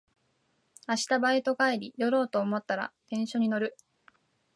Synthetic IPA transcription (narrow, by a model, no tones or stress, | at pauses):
aɕi̥t̪abait̪o̞kaeɾʲijo̞ɾo̞ːt̪o̞ːmo̞t̪ːaɾa̰k̪ẽ̞ɰ̃ɕo̞ɲ̟ino̞ɾɯ̟